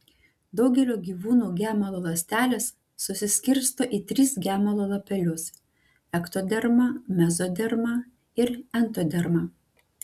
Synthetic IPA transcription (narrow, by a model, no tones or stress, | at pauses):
d̪ɒʊɡʲɛlʲoːɡʲiːʋuːnuːɡʲæːmɐlˠoːlˠɐsʲt̪ʲæːlʲeːsː | ʊsʲɪsʲkʲɪɾʲst̪oːʔiːt̪ʲɾʲɪsɡʲæːmɐlˠoːlˠɐpʲɛlʲʊs | ɛkt̪od̪ʲɛɾmɐmʲɛzoːd̪ʲɛɾmɐ | ɪɾɛnˑt̪oːd̪ʲɛɾmɑ